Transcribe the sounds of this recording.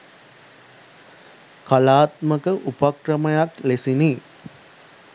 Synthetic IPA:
kalaːt̪məkəʔupakrəməjaklesini

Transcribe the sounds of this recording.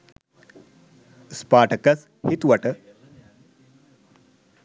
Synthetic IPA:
spaːʈʰɐkɐs | hit̪wɐʈɐ

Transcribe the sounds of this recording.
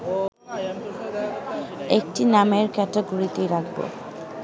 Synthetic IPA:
ek̚ʈinameɾkɛtaɡuɾit̪iɾakʰbo̰

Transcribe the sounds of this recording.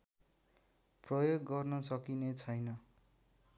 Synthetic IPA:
prʌjoɡːʌrnʌsʌkinet͡sʰʌjnʌ

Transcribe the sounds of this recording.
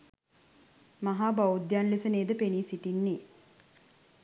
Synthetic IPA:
maɦaːbaud̪janlisəneːd̪əpeniːsiʈinːe

